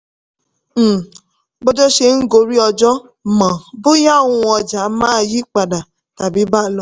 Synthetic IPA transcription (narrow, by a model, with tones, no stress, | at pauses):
bɔ˦d͡ʒɔ˦ʃe˧ŋ̩˦ɡo˧ɾi˦ɔ˧d͡ʒɔ˦ | mã˨bo˦ja˦˨wũ˧ɔ˧d͡ʒa˨˦mãː˦˧ji˦k͡pa˨da˨ | ta˨bi˨˦ba˦˨lɔ˧˦